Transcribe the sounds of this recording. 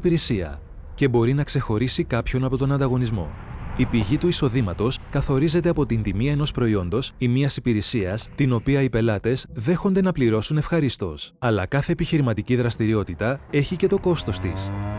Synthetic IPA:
piɾesiɐ̰ | ce̞bo̞ɾinɐkse̞xo̞ɾisikɐpço̞nɐpo̞t̪o̞nɐnd̪ɐɣo̞nizmo̞̰ | ipiʝit̪uiso̞ðimɐt̪o̞skɐθo̞ɾize̞t̪eɐpo̞t̪int̪imiɐe̞no̞spɾo̞io̞nd̪o̞simiɐsipiɾesiɐst̪ino̞piɐipe̞lɐt̪e̞zðe̞xond̪e̞nɐpliɾo̞sune̞fxɐɾist̪o̞̰sɐlɐ̰kɐθe̞ːpiçiɾimɐt̪iciðɾɐst̪iɾio̞t̪it̪ɐe̞çice̞t̪o̞ko̞st̪o̞st̪ḭs

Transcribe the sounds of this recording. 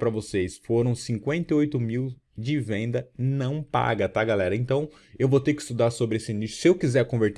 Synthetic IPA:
pɾɐvosejsfoɾɐ̃w̃sĩŋkwẽnt̪ɐojt̪ʊmiw | d͡ʒɪvẽnd̪ɐnɐ̃w̃pa̰ɡɐt̪aɡalɛɾɐẽnt̪ɐ̃w̃ | ewvot̪eɾkɪi̥st̪ud̪aɾsobɾɪesɪĩnisʊ̥sɪewkizɛɾkõveɾt̪

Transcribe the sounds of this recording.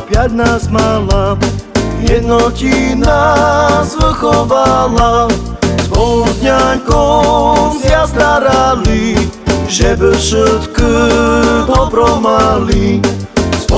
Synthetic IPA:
pjad̪̚nasmala | vjɛd̪nɔkinasvɘxɔvala | spɔwud̪ɲaŋkɔ | zvʲjast̪aɾalʲi | ʐɛbɘfʂɘt̪kə | pɔpɾɔmalʲi | s

